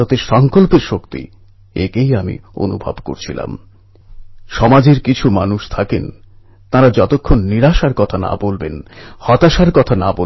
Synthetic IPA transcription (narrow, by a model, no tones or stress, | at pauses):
ot̪eʃɔŋkolpeɾʃokt̪ḭ | ḛkejamḭo̰nṵbʱa̰bko̰ɾt͡ɕʰila̰m | ʃɔmad͡ʑeɾkit͡ɕʰumanuʃt̪ʰaken | t̪aɾad͡ʑɔt̪okʰːonːiɾaʃaɾkɔt̪ʰana̰bolbenhɔt̪aʃaɾkɔt̪ʰanabo